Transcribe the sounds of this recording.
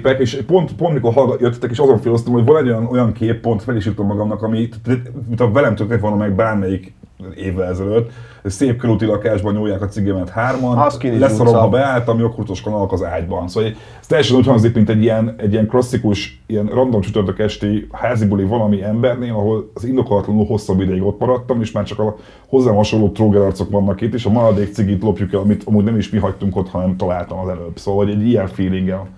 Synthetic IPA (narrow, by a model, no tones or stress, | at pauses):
pɛkeːʃpo̞nt̪pont̪miko̞rɦɒlɡjøt̪ːɛt̪ːɛkeːʃɒzo̞ɱfeːlos̬t̪omhoɟvɒnɛɟojɒno̞jɒŋkeːpːo̞nt̪fɛliʃjut̪omːɒɡɒmnɒkɒmit̪ːmit̪ɒvɛlɛmt̪økt̪ːɛk̪vonomːɛɡbaːrmɛjik | eːvːɛlɛzɛløt̪ː | øseːp̚køɾut̪ilɒkaːʒbɒɲojːaːkɒt̪siɡɛmɛnt̪haːrmɒnkilɛssɒɾomɦɒbɛaːlt̪ɒmio̞kfut̪o̞ʃkonɒlkɒzaːɟbɒ̰nsoːʋɒ | st̪ɛjɛʃɛnuːchɒŋɡzikmint̪ɛɟːijɛnɛɟːiɛŋklɒsːikuʃ | ijɛnrɒnd̪omt͡ʃyt̪ørt̪økɛʃt̪eːhaːzibolivɒlɒmiɛmbɛrneːlɒɦo̞lːzind̪o̞kolːɒt̪lɒnulho̞sːɒbːid̪ɛjiɡo̞t̪mɒɾɒt̪ːɒmeːʃmaːrt͡ʃɒkɒ | ho̞zːaːmɦɒʃo̞nlːoːt̪roːɡɛɾɒrt̪so̞kʋɒnːɒkit̪ːeːʃɒmɒlɒd̪eːkt̪siɡiːt̪lo̞pjukɛlɒmit̪ʰɒmuːɟnɛmiʃmiɦɒct̪uŋko̞t̪hɒnɛmt̪ɒlaːlt̪ɒmɒzɛløb̥soːvɒlhoɟɛɟːijɛɱfiːliŋɡɛn